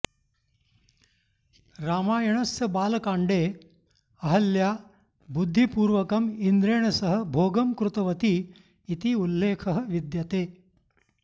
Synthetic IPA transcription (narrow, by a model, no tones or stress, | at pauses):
ɾaːmaːjɐɳɐsɐbaːlɐkaːɳɖeː | ɐɦɐlja | bud̪ʱːipuːɾʋɐkɐmind̪ɾeːɳɐsɐɦə̆bʱoːɡɐmkɾut̪ɐʋɐt̪iː | t̪iulːeːkʰɐɦə̆ʋid̪jɐt̪eː